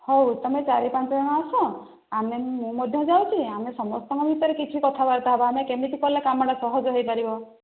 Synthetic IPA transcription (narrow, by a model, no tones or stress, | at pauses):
howt̪ɔmet͡ʃaɾipant͡ʃɔd͡ʒɔɽ̃aːsɔ̃ | amemũmɔd̪ʱjɔd͡ʒawt͡ʃʰiamesɔmɔst̪ãŋkɔbʱit̪ɔɾekit͡ʃʰikɔt̪ʰabaɾt̪aɦebɔamekemit̪ʰikɔɾilakamɔɽ̃asɔɦɔd͡ʒɦejpaɾibɔ